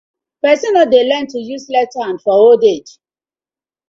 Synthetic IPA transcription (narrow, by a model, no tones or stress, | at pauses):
pɛsɔnadelɛ̃ntːujuslɛtaãnfɔoded͡ʒ